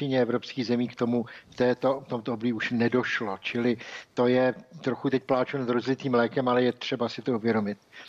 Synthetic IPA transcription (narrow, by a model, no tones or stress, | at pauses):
ɪɲɛɛvɾo̞pskiːɣzɛmiːkt̪o̞muft̪ɛːt̪oft̪o̞mt̪oobliuʃnɛdo̞ʃlot͡ʃɪlɪt̪o̞jɛt̪ɾoxut̪ɛc̚plaːt͡ʃonad̪ɾozlɪt̪iːmlɛːkɛmalɛjɛt̪r̝̥ɛbasɪt̪ouvjɛdo̞mɪt̪̚